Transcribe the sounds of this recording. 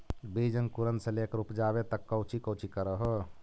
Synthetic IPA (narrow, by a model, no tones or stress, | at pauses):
bid͡ʒənkuɾənd̪sə̃lekɾupd͡ʒabet̪əkːəwt͡ʃikəwt͡ʃikəɾəɦo